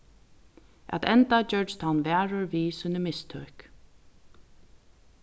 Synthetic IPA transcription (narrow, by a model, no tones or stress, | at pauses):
ʔæ̰t̪ʰɛnt̪ad͡ʒœɹt͡ʃt̪ʰawnʋɛːɹəɹʋiːsʊnəmɪst̪ʰœ̰ːk